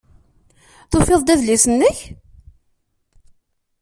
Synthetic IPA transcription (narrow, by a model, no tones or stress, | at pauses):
θofeðˤd̪æðlisənːəç